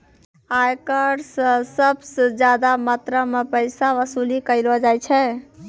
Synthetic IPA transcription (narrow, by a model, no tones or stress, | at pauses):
ajkəɾssəbsəd͡ʒjad̪amət̪ɾəmepəɪsaʋəsulikəɪlɔd͡ʒajt͡ʃʰɛ